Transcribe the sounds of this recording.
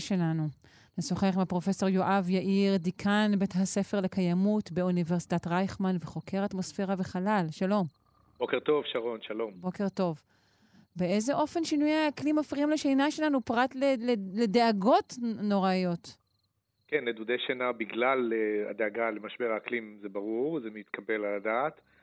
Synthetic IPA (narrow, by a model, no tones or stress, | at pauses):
ʃelanu | nesoχeχimapʁo̞fe̞so̞ʁjoʔavjaʔiʁdikʰanbethase̞fe̞ʁlekajamutbeuniveʁsi̥tatʁajχmanveχo̞kʰe̞ʁatmosfe̞ʁaveχalalʃalo̞m | b̥okeʁt̪o̞vʃaʁo̞nʃalo̞mbo̞ke̞ʁto̞v | beezeʔo̞fe̞nʃinujaklimafʁiimleʃejnaʃelanupʁatlelelede̞aɡo̞tno̞ʁaijo̞t | kenːed̪ud̪eʃenabiɡlalea̰d̪eaɡalemaʃbeʁaaklimzebaʁuʁzemit̪kʰabelaladaːt̪